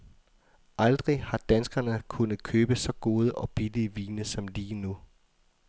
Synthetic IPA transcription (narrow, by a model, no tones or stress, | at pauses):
ʔɑ̈ld̥ʁihɑ̈d̥ænsɡ̥ɐnəkʰunð̩ˠkʰøːb̥əsɒ̽ɡ̥o̝ːð̞ˠəʔɒ̽b̥iliəʋiːnəsɒ̽mliːnu